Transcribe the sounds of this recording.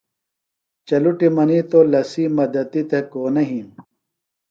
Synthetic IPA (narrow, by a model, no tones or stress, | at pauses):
t͡ɕɐluʈimɐnit̪olɐsiːmɐd̪ɐt̪it̪ekoːnɐɦĩm